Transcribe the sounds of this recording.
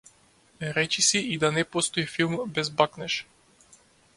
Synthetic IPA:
ɾɛt͡ʃisiid̪anɛpɔst̪ɔifilˠmbɛzbaknɛʃ

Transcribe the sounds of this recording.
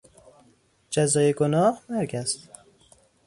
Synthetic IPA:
d͡ʒæzɒːjeɡonɒːhmæɾɡæst̪

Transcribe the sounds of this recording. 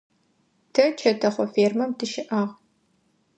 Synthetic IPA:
tʰɐt͡ʃʰɐtʰɐχʷɔfeːrmɐmtʰɨʃɪʔaːʁ

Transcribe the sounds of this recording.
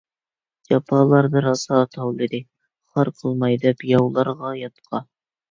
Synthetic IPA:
d͡ʒɑpʰɑːlˠɑɾbɪɾɑsɑːt̪ʰɑwlˠɨd̪ɨ | χɑɾqʰəlˠmɑjd̪ɛpjɑwlˠɑɾʁɑjɑt̪qʰɑ

